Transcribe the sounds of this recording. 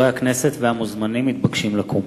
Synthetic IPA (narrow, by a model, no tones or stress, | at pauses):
eakneset̪veamuzmanimːit̪̚baɡʃimlakum